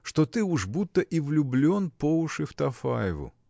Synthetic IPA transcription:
ʂt̪ot̪ɨuʐbut̪ːəʔivlʲʊblʲo̞npoʊʂɨft̪ɐfajɪvʊ̰

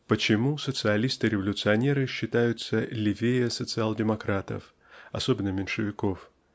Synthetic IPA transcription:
pət͡ɕɪmusət̪sɨɐlʲist̪ɨɾʲɪvəlʲʊt̪sɨɐnʲe̞ɾɨɕːɪt̪ajʊt̪səlʲɪvʲejəsət̪sɨalˠdʲɪmɐkɾat̪ə̰f | ɐso̞bʲɪnːəmʲɪnʲʂɨvʲɪko̞f

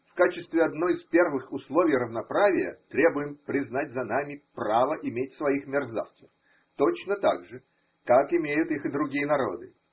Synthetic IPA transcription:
fkat͡ɕɪst̪vʲɪɐd̪no̞jɪspʲe̞rvɨxʊslˠovʲɪjrəvnɐpɾavʲɪjə̰t̪ɾʲe̞bʊjɪmpɾʲɪznat̚ʲzɐnamʲɪpravəʔɪmʲetʲsvɐixmʲɪrza̰ft̪sə̥f | t̪ot͡ɕnət̪a̰ɡʐɨ | kakɪmʲejʊt̪ixɨd̪ɾʊɡʲijənɐɾo̞̰d̪ɨ̰

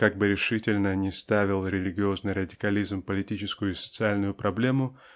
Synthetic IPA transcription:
kaɡ̚bɨɾʲɪʂɨtʲɪlʲnənʲɪst̪avʲɪlˠɾʲɪlʲɪɡʲɪo̞znɨjɾədʲɪkɐlʲizmpəlʲɪtʲit͡ɕɪskʊjʊɪsə̥t̪sɨalʲnʊjʊpɾɐblʲe̞mʊ

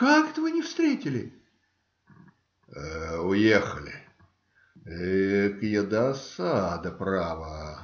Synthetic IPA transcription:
kakɛt̪əvɨnʲɪfst̪ɾʲetʲɪlʲɪ | əʊjexəlʲɪ̰ | kjɪd̪asad̪əpɾavə

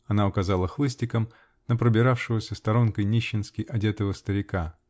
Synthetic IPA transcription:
ɐnaʊkɐzalˠəxlˠɨsʲtʲɪkəm | nəpɾəbʲɪɾafʂɨvəsʲəst̪ɐɾo̞nkəjnʲiɕːɪnskʲɪjʔɐdʲet̪əvəst̪əɾʲɪka

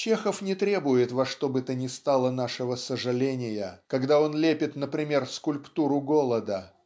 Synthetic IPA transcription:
t͡ɕe̞xəfnʲɪt̪ɾʲebʊjɪt̪vɐʂt̪o̞bɨt̪ənʲɪst̪alˠənaʂɨvəsəʐɨlʲenʲɪjəkɐɡd̪ao̞nlʲepʲɪt̪nəpɾʲɪmʲe̞rfskʊlʲpt̪uɾʊɡo̞lˠəd̪ə

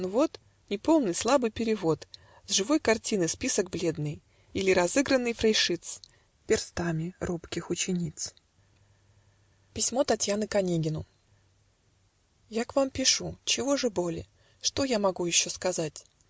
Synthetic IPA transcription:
novo̞t̪ | nʲɪpo̞lˠnɨjslˠabɨjpʲɪɾʲɪvo̞t̪ | zʐɨvo̞jkɐrtʲinɨjspʲisəɡ̚blʲe̞d̪nɨj | ilʲɪɾɐzɨɡɾənːɨjfɾɐjʂɨt̪s | pʲɪrst̪amʲɪɾupkʲɪxʊt͡ɕɪnʲit̪s | pʲɪsʲmo̞t̪ɐtʲjanɨkɐnʲeɡʲɪnʊ | jakvampʲɪʂut͡ɕɪvo̞ʐɨbo̞lʲɪ̰ | ʂt̪o̞jamɐɡujɪɕːo̞skɐzatʲ

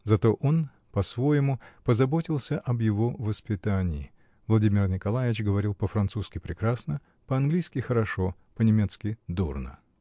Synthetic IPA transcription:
zɐt̪oʔo̞n | pɐsvo̞jɪmʊpəzɐbo̞tʲɪlˠsʲəʔɐbjɪvo̞vəspʲɪt̪anʲɪː | vlˠɐdʲimʲɪrnʲɪkɐlˠajɪɪt͡ɕɡəvɐɾʲilˠpəfɾɐnt̪suskʲɪpɾʲɪkɾasnə | pəɐnɡlʲijskʲɪxəɾɐʂo̞ | pənʲɪmʲet̪skʲɪd̪urnə̰

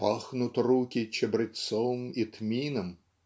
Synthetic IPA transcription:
pɑxnʊt̪ʲrukʲit͡ʃɛbɾɪt̪sɔwɨmit̪mʲinɐm

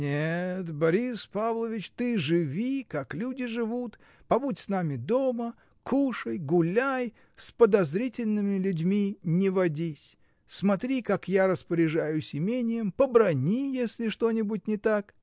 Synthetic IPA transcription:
nʲet̪bɐɾʲispavlˠəvʲɪt͡ɕt̪ɨʐɨvʲikaklʲudʲɪʐɨvut̪ | pɐbutʲsnamʲɪd̪o̞mə | kuʂəjɡʊlʲaj | spəd̪ɐzɾʲitʲɪlʲnɨmʲɪlʲʊdʲmʲinʲɪvɐdʲisʲ | smɐt̪ɾʲikakjaɾəspəɾʲɪʐajʊsʲɪmʲenʲɪjəmpəbɾɐnʲijesʲlʲɪʂt̪o̞nʲɪbʊt̚ʲnʲɪt̪ak

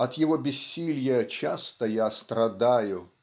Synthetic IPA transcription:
ɐt̪jɪvobʲɪsʲːilʲjət͡ɕast̪əjast̪ɾɐd̪ajʊ

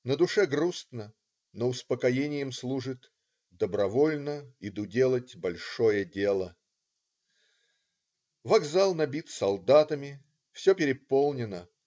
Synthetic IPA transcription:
nəd̪ʊʂɛɡrust̪nə | noʊspəkɐjenʲɪjəmslˠuʐɨt̪ | d̪əbɾɐvo̞lʲnəɪd̪udʲe̞lˠətʲbɐlʲʂojədʲe̞lˠə | vɐɡzalˠnɐbʲit̪sɐlˠd̪at̪əmʲɪ | fsʲopʲɪɾʲɪpolˠnʲɪnə

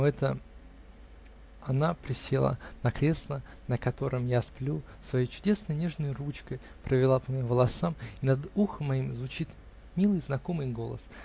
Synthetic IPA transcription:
ɛt̪ə | ɐnapɾʲɪsʲelˠə̰nɐkɾʲe̞slˠə | nəkɐt̪o̞ɾɨmjasplʲu | svɐjejt͡ɕʊ̥dʲe̞snəjnʲe̞ʐnəjrut͡ɕkəj | pɾʔəvʲɪlˠapəmɐimvəlˠɐsamɪnɐd̪uxəmːɐimzvʊt͡ɕit̪ | mʲilˠɨjznɐko̞mɨjɡo̞lˠə̰s

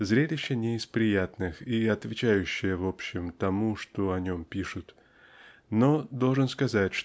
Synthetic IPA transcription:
zɾʲelʲɪɕːɪnʲɪɪspɾʲɪjat̪nɨxiɐt̪vʲɪt͡ɕæjʉɕːɪjəvopɕːɪmt̪ɐmuʂt̪oɐnʲo̞mpʲiʂʊt̪ | nod̪o̞lˠʐɨnskɐzatʲʂ

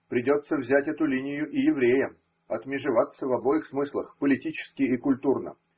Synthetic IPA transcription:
pɾʲɪdʲo̞t̪səvzʲætʲɛt̪ʊlʲinʲɪjʊʔɪjɪvɾʲejəm | ɐt̪mʲɪʐɨvat̪sːəvɐbo̞jɪxsmɨslˠəxpəlʲɪtʲit͡ɕɪ̥skʲɪikʊlʲt̪urnə̰

